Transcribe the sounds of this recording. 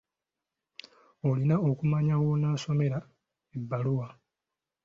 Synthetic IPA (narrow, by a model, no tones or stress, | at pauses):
olinao̞kumaɲawo̞naːso̞me̞ɾa | ebːaluwa